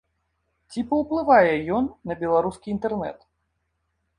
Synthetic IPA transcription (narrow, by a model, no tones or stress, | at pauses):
t͡sʲipɐwplˠɨvajɛjɔnːɐbʲɛlˠaɾuskʲiːnt̪ɛrnɛ̰t̪